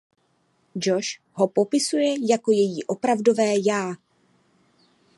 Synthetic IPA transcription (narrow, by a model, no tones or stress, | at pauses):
d͡ʒo̞ʃ | ɦo̞po̞pɪsujɛjako̞jɛjiːʔo̞pɾavdo̞vɛːjaː